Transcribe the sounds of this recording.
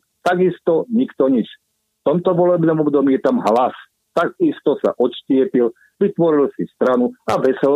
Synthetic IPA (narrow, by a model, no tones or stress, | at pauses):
t̪aɡist̪ɔɲikt̪ɔɲit͡ʃ | ft̪ɔmt̪ɔʋɔlɛbnɔmɔbd̪ɔmijɛt̪amɦlas | t̪aɡist̪ɔsa̰ʔɔʃcɪɛpil | ʋit̪ʋɔɾilsist̪ɾanuaʋɛsɛl